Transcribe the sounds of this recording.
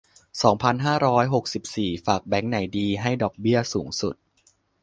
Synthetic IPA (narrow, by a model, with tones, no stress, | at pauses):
sɔː˩˦ŋpʰa˧nɦaː˥˩ɾɔː˦˥jɦo˨˩k̚si˨˩p̚siː˨˩faː˨˩k̚bɛ˩˦ŋna˩˦jdiː˧ɦa˥˩jdɔː˨˩k̚bi˥˩ɐsuː˩˦ŋsu˨˩t̪̚